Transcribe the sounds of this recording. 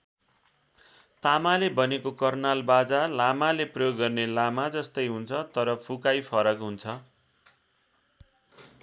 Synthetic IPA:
t̪amalebʌnekokʌrnalbad͡zalamaleprʌjoɡːʌrnelamad͡zʌst̪ʌjɦunt͡sʰʌt̪ʌɾʌpʰukajpʰʌɾʌkɦunt͡sʰʌ

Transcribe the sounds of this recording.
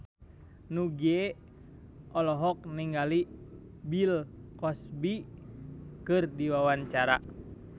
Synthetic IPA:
nuɡie | ʔɔlɔɦɔk̚niŋɡali | bilkɔsbi | kɨrdiwawaɲt͡ʃaɾa

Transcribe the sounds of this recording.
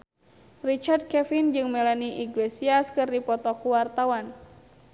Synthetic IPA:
rit͡ʃard̪̚kɛfind͡ʒɨŋmɛlaniʔiɡlesiaskɨrdipɔt̪ɔkuwart̪awan

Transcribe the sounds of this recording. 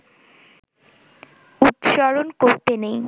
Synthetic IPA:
ut̪ʃɔɾonkoɾt̪enej

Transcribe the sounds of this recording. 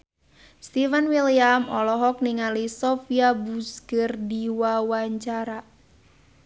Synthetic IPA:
st̪ifɛnwiliamɔlɔɦɔk̚niŋalisɔfiabusɡərdiwawaɲt͡ʃaɾa

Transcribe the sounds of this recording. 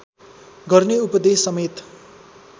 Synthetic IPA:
ɡʌrneupʌd̪esːʌmet̪

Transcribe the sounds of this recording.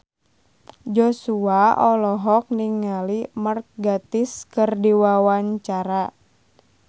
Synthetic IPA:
d͡ʒɔsuaʔɔlɔɦɔk̚niŋːalimərk̚ɡat̪ɪskərdiwawaɲt͡ʃaɾa

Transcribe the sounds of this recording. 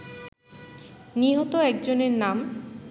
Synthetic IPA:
niɦot̪oɛk̚d͡ʑoneɾnam

